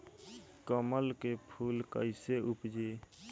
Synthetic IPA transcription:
kəməlkepʰuːlkəɪseʊpd͡ʒe

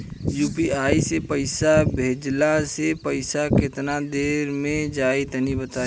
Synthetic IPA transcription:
juːpiaːisepəɪsabʱeːd͡ʒlasepəɪsakɪt̪nad̪eːɾmẽd͡ʒaːet̪ənibət̪aː

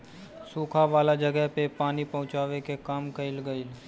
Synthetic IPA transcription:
suːkʰaʋaːlad͡ʒɐɡɛɦpepaːnipɐɦʊ̃t͡ʃaːʋekekaːmkɐɪlɡəɪl

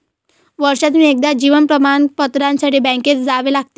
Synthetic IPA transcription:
ʋəɾʂat̪niek̚d̪ad͡ʑiːʋənpɾəmanpət̪ɾãnsaʈiːbɛ̃ŋket͡sd͡zaʋelaɡ̚t̪e̥

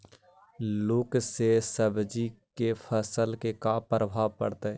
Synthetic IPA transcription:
lʊksesəbd͡ʒikepʰəsəlkekapɾəbʱaːʋpə̰ɽt̪eɛ

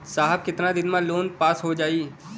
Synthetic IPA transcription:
saːɦəb̚kɪt̪nad̪ɪnmãloːnpaːsɦod͡ʒaːiː

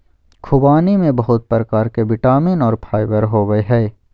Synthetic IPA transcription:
kʰʊbaːnimẽbɐɦʊt̪̚pɾəkaːɾkeʋɪʈaːmɪnɔːɾpʰaːɪbəɾɦoːʋəeɦɛː

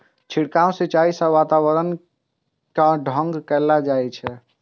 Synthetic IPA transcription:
t͡ʃʰiɽkaõset͡ʃaisə̃ʋat̪awəɾən | kaɖʱə̃ŋɡkɛlad͡ʒajt͡ʃʰɛ

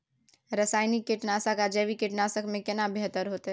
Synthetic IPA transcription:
ɾɐsaːɪnikːɪʈnaːsakad͡ʒɐʋikɪʈnaːsəkmẽkɪnabʱɪɦt̪əɾɦoːt̪a

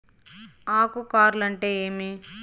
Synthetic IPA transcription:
aːkukaːɾlɐɳʈe̞ːeːmi

